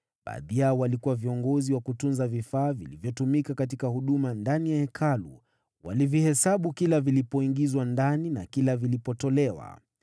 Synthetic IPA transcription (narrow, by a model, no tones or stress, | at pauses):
ɓa̰ːðijaɔwalikuwaviɔŋɡɔziwakutunzavifaːvilivjɔtumikakatikahuɗumandanijaɛkʰalṵ | wa̰livihɛsaɓukilavilipɔiŋɡizwandanina̰kilavilipɔtɔlɛwa̰